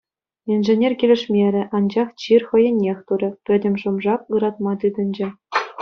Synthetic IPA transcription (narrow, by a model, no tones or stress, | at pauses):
mʲĕnʲʐɘ̆nʲerkʲilʲɘ̆ʂmʲeɾʲɘ̆ʔɑnd͡ʑɑχt͡ɕirxɤ̆jɘ̆nʲːexʲt̪uɾʲɤ̆pʲɘ̆dʲɘ̆mʲʐɤ̆mʐɑkɯɾɑt̪̚mɑt̪ʲid̪ʲɘ̆nʲd͡ʑɘ̆